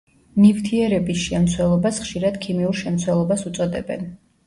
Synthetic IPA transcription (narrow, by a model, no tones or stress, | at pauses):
mift̪ʰiɛɾɛbisʃɛmt̪sʰwɛlˠɔbasχʃiɾad̪̥kʰimiuɾʃɛmt̪sʰwɛlˠɔbasut̪sʼɔd̪ɛ̰bɛ̰n